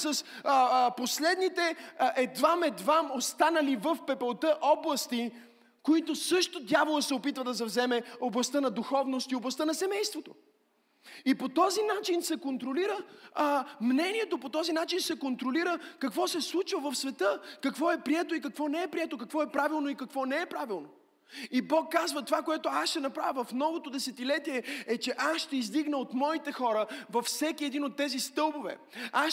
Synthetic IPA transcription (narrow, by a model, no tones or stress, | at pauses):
səsposlɛd̪nit̪ɛʔɛd̪vamɛd̪vamost̪anəlivəfpɛpɛlˠt̪əʔɔblˠɐst̪i | koit̪osɤʃt̪od̪ʲjavolˠəsɛopit̪vəd̪ɐz̬ɛvzɛmɛoblˠɐst̪ɤnɐd̪uxɔvnost̪ioblˠɐst̪ənɐsɛmɛjst̪vot̪o | ipot̪ɔzinat͡ʃinsɛkont̪ɾoliɾə | mnɛniɛt̪opot̪ɔzinat͡ʃinsɛkont̪ɾoliɾəkɐkvɔsɛslˠut͡ʃvəvɐfsvɛt̪ɤkɐkvɔɛpɾiɛt̪oik̬ɐkvɔnɛɛpɾiɛt̪okɐkvɔɛpɾavilˠnoikɐkvɔnɛɛpɾavilˠno | ibɔkːazvət̪ovakoɛt̪oasʃɛnɐpɾavʲəvɐfmnɔvot̪od̪ɛsɛt̪ilɛt̪iɛɛt͡ʃɛʔasʃt̪ɛizd̪iɡnəot̪mɔit̪ɛxɔɾəvɐfsɛkiɛd̪inot̪ːɛzist̪ɤlˠbovɛ̰ | a